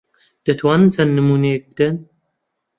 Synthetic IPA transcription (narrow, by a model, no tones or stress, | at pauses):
d̪̥ɐt̪ʰwɑːnɨnt͡sʰɐnːɨmuːnek̚bd̪ɨn